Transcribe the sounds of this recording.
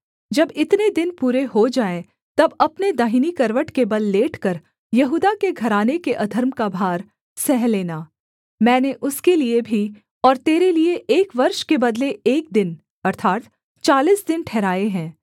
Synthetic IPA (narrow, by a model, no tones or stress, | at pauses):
d͡ʒɐbɪt̪ned̪ɪnpuːɾeɦod͡ʒaːẽ | t̪ɐbɐpned̪aːɦinikɐɾʋəʈkebɐlːeːʈʰkɐɾ | jɐɦuːd̪akeɡʱɐɾaːnekeʔɐd̪ʱəɾmkabʱaːɾ | sɛɦleːnaː | mɛ̃ːneʔʊskeliebʱi | ɔːɾt̪eːɾelieʔeːkʋɐɾʃkebɐd̪leeːk̚d̪ɪn | ɐɾt̪ʰaːt̪ | t͡ʃaːliːsd̪ɪnʈʰɛːɾaːeɦɛ̃ː